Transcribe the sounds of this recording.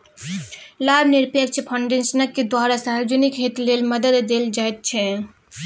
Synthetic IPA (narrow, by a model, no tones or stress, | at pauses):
labʱniɾpekt͡ʃʰɛpʰɔɳɖensənəkːed̪waɾasaɦɾd͡ʒənikɦet̪lelməd̪əd̪ːeld͡ʒaɛt̪̚t͡ʃʰɛ